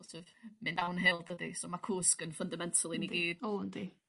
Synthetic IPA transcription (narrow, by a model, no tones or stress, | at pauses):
sʰəvmɨnawnɦɪlˠdəðḭsomakʰuːskənfəndamɛntʰəlˠiniɡiːdondi